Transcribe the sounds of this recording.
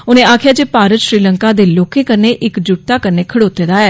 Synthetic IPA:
ʊnẽːaːkʰjaːd͡ʒeːpaːɾət̪ʃɾiːləŋkaːd̪eːloːkẽːkəɾneːʔɪkd͡ʒʊt̪aːkəɾneːkʰəɽoːt̪ːeːd̪aːɛː

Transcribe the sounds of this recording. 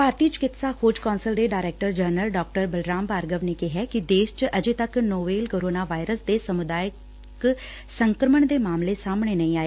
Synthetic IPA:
paːɾt̪iːt͡ʃkɪt̪saːkʰoːd͡ʒkɔːnsəld̪eːɖaːɾɛːk̚ʈəɾd͡ʒənəlɖɔːk̚ʈəɾbəlɾaːmpaːɾɡəʋneːkeɦɛːkɪd̪eːʃt͡ʃʔəd͡ʒeːt̪əknoːʋeːlkoːɾoːnaːʋaːɪɾəsd̪eːsəmʊd̪aːjə | k | səŋkɾəməɳd̪eːmaːmleːsaːmɳeːnə̃ĩːaːeː

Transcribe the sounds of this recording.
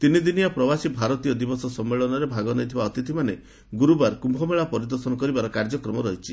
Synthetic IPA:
t̪inid̪inijapɾɔbasibʱaɾɔt̪ijɔd̪ibɔsɔsɔmːeɭɔnɔɾebʱaɡɔnɔjt̪ʰibaɔt̪it̪ʰimane | ɡuɾubaɾkumbʱɔmeɭapɔɾid̪ɔɾsɔnɔkɔɾibaɾɔkaɾd͡ʒɔkɾɔmɔɾɔɦit͡ʃʰi

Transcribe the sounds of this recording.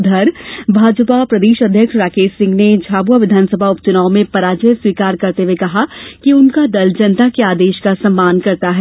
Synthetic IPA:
d̪ʱɐɾbʱaːd͡ʒpapɾɐd̪eːʃɐd̪ʱjəkʃɾaːkeːʃsɪ̃ŋɡned͡ʒʱaːbuaʋɪd̪ʱaːnsəbʱaʊpt͡ʃʊnaːomẽpɐɾaːd͡ʒəjswiːkaːɾkɐɾt̪ewekɐɦakiʊnkad̪ɐld͡ʒɐnt̪akeaːd̪eːʃkasɐ̃mːaːnkɐɾt̪aɦɛ

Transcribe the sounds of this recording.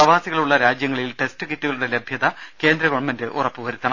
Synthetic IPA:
ɐʋaːsiɣɐɭuɭːɐɾaːd͡ʑjɐŋːɐɭilʈe̞stɨkitːuɣɐɭuɽe̞lebʱjɐðɐke̞ːnd̪ɾɐɣo̞ɳmɐndɨʔurɐpːɨʋɐɾut̪ːɐɳɐ

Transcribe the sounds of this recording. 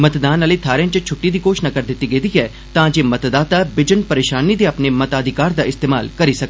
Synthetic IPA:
mɐt̪d̪aːnəlet̪ʰaːɾjə̃nt͡ʃət͡ʃʰʊʈːid̪iːkoːʃnakɐɾd̪ɪt̪ːiɡeːd̪iɦɛ | t̪ãːd͡ʒeːmɐt̪d̪aːt̪abɪd͡ʒənpɐɾeːʃaːnid̪eɐpnemɐt̪aːd̪ʱɪkaːɾd̪aɪst̪eːmaːlkɐɾisɐk̚ː

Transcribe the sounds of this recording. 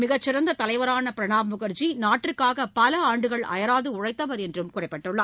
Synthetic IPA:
mɪɣɐt͡ʃːɪɾɐnd̪ɐt̪ɐlɐɪʋɐɾaːnɐpɪɾɐɳaːmʊɣɐɾt͡ʃinaːʈːrɪɾkaːɣɐpɐlɐaːɳɖɯɣɐɭɐ̰jɐɾaːðɯʊɻɐɪt̪ːɐʋɐɾɛndrɯmkʊrɐɪpːɛʈːɯɭːɐː

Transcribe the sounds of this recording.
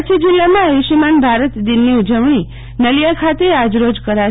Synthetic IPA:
t͡ʃʰid͡ʒɪlːamãəjuʃimanbʱaɾət̪d̪inːiud͡ʒəʋɳ̃i | nəljakʰat̪ead͡ʒɾod͡ʒkəɾa

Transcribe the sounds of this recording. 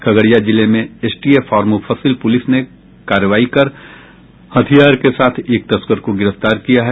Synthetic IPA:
kʰɐɡəɽjad͡ʒɪlemẽeːsʈiefaːɾmufʰəsɪlpʊlɪsne | kaːɾəʋaːikɐɾ | hɐt̪ʰijaːɾkesaːt̪ʰeːk̚t̪ɐskəɾkoɡɪɾəft̪aːɾkijaɦɛ

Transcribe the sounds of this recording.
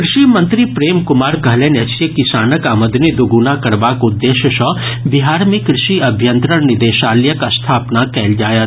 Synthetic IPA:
kɾɪʃimɐ̃nt̪ɾipɾeːmkʊmaːɾkɐɦlẽnɐt͡ʃsjəkɪsaːnəkaməd̪nid̪uɡunakɐɾbaːkʊd̪ːeːʃjəʃɔːbiɦaːɾmẽkɾɪʃiɐbʱjənt̪ɾəɾnɪd̪eːʃaːljəkɐst̪ʰaːpnakɛːld͡ʒaːja

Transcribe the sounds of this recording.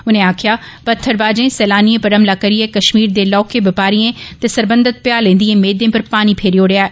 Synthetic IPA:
ʊn̤ẽaːkʰija | pɐt̪ʰːəɾbaːd͡ʑẽsɛːlaːniẽpɐɾəmlakɐɾiẽkɐʃmiːɾd͡ʑ̪eːlɔːkebɐpaːɾiẽt̪ɐsɐɾbə̃nd̪ət̪̚pjaːlẽːn̆d̪iẽmeːd̪ẽpɐɾpaːnipʰeːɾijoɽijaːe

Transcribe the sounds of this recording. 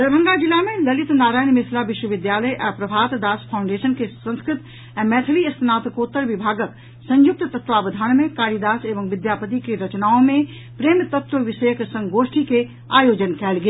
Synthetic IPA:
d̪əɾbʱə̃ŋɡad͡ʒɪlamẽlɐlɪt̪naːɾaːjnmɪslaʋɪʃwəʋɪd̪jaːləjʔɛːpɾɐbʱaːt̪d̪aːspʰaːʊ̃ɳɖeːʃənkesə̃nskɾɪt̪ | ɛ̃ːmɛːt̪ʰəliɐst̪naːt̪koːt̪ːəɾʋɪbʱaːɡək | sɐ̃jʊk̚t̪t̪ɐt̪waːbəd̪ʱaːnmẽkaːɾid̪aːseːʋə̃mʋɪd̪jaːpət̪ikeɾɐt͡ʃnaːõmẽ | pɾeːmt̪ɐt̪wəʋɪʃəjəksɐ̃ŋɡoːʃʈike | a̰ːjoːd͡ʒənkɛːlɡeː

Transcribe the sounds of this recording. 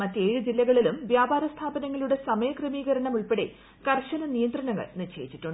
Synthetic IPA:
mɐtːe̞ːɻɨd͡ʑilːɐɣɐɭilumʋjaːbaːɾɐst̪ʰaːbɐnɐŋːɐɭuɽe̞sɐmɐjɐkrɨmiːɣɐɾɐɳɐmuɭpeɽḛ | kɐrɕɐnɐnijɐnd̪rɐnɐŋːɐ̰ɭnirɕe̞ːjit͡ɕːitːuɳɖɨ

